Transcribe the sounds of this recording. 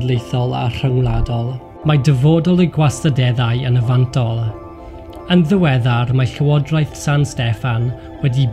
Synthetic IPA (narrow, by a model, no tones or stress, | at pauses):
dlˠejθɔlˠa̰r̥əŋlˠadɔlˠ | madəvoːdɔlˠəɡwastadɛðajənəvantʰɔlˠ | ənðəwɛðarmaɬəwɔdrajθsanstɛfan | wɛdi